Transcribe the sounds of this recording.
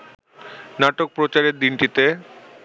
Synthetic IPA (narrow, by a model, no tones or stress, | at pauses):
naʈok̚pɾot͡ɕaɾeɾd̪inʈit̪e